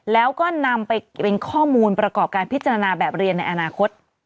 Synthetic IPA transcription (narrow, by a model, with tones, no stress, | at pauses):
lɛː˦˥wkɔː˥˩na˧mpa˧jpe˧nkʰɔː˥˩muː˧npɾa˧kɔː˨˩p̚kaː˧npʰi˦˥t̪̚t͡ɕa˧ɾa˧naː˧bɛː˨˩p̚ɾi˧ənːa˧jʔa˧naː˧kʰo˦˥t̪̚